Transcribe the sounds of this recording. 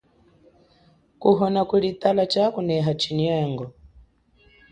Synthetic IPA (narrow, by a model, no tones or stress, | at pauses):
kuɦɔnakuɺit̪alat͡ʃakunɛɦat͡ʃinɛːŋɡɔ